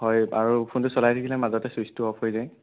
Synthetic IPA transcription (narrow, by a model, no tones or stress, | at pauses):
ɦɔjaɹupʰuntʊsɔlajtʰakʰilɛmazɔtɛsistuɔpʰojzaj